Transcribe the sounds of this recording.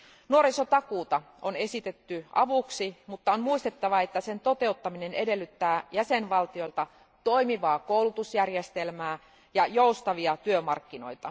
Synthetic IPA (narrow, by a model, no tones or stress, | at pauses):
nuoɾiso̞t̪ɑkuːt̪ɑ | one̞sit̪et̪ːyʔɑ̰ʋuksimut̪ːɑonmuist̪et̪ːɑʋɑe̞t̪ːæse̞nt̪o̞t̪e̞ut̪ːɑminenede̞lːyt̪ːæːjæsenʋɑlt̪io̞lt̪ɑ | t̪o̞imiʋɑːkowlut̪usjærjest̪elmæː | jɑjoust̪ɑʋiɑt̪yømɑrkːino̞̰jt̪ɑ